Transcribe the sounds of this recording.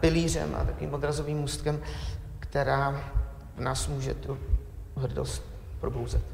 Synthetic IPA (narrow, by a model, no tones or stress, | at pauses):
pɪliːr̝ɛ̰mʔa̰t̪akovḭːmʔod̪ɾazo̞viːmmust̪kɛm | kt̪ɛɾaː | vnaːsmuːʒɛ̰t̪u | ɦr̩do̰st̪ | pɾo̞bowzɛt̪